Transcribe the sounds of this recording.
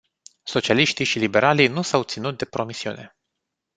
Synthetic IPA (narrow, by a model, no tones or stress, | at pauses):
so̞t͡ʃialiʃt̪iʃilibe̞ɾalinusawt̪sinut̪̚d̪e̞pɾo̞misiṵne̞